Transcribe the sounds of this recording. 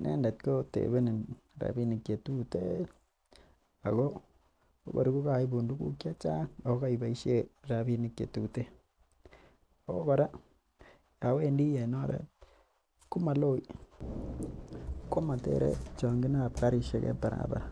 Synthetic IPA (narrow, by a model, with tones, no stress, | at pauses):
nɛ̰˦nda˨t̚ko˦tḛ˨βe˦ni˨nɾa̰˨bi˦ni˨kje˨tu˦te˦ | a˨ɣo˦ | o̰˦ba̰˨ɾuku˦ka˨i˦bu˨ndu˦kṵ˦kja˦t͡ʃa˦ŋa˨o˦ka˦i˨ba˨i˦ʃe˦ɾa˨bi˦ni˨kjḛ˨tu˨te˦ | o˦ba˨ɾa˦ | ja˨we˦ndi˦ja˨nɔ˦ɾɛ̰˦t̚ | ku˦ma˨lo˦i | ko˦ma˨tḛ˦ɾḛt͡ʃɔ˨ŋɡi˦na˦˨pka˦ɾi˦ʃe˦kɛ̰˦pa˨ɾa̰ba̰˨ɾa